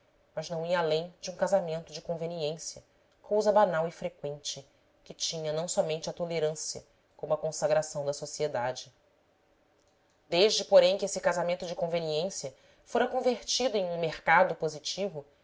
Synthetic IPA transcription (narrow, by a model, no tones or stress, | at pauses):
mɐʒnɐ̃w̃iɐalẽj̃d͡ʒɪũkazamẽnt̪ʊd͡ʒɪkõveniẽsjɐ | kowzɐbanawifɾekwẽnt͡ʃɪ | kɪt͡ʃĩɲɐnɐ̃w̃sɔmẽnt͡ʃɪɐt̪oleɾɐ̃siɐ | kõmʊɐkõsaɡɾasɐ̃w̃d̪ɐsosied̪ad͡ʒɪ | d̪eʒd͡ʒɪpoɾẽj̃kesɪkazamẽnt̪ʊd͡ʒɪkõveniẽsjɐ | foɾɐkõveɾt͡ʃid̪ʊẽj̃ũmeχkad̪ʊpozit͡ʃivʊ